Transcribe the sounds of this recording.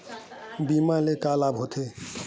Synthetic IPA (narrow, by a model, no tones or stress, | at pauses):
bimalekalabʱɦot̪ʰe